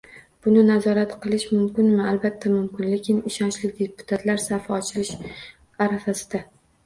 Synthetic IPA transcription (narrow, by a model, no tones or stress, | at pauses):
b̥ʊnɪnazɒɾat̪qɨlˠɪʃmʊmkʲɪnmɪalbat̪ʰːamʊmkʲɪnle̞kʲɪnɪʃɒnt͡ʃlɪkʲd̪epʰʊ̥t̪ʰat̪laɾsafaɒt͡ʃʰɪlɪʃ | aɾafasɪd̪̥a